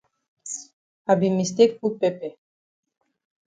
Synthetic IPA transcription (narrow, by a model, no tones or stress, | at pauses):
abimːist̪ek̚pupepe